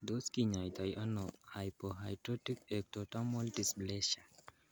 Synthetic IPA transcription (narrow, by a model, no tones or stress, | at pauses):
d̪oskiɲajt̪ajʔanɔhajpɔɦajtɔtikɛk̚tɔtamɔltisblɛʃa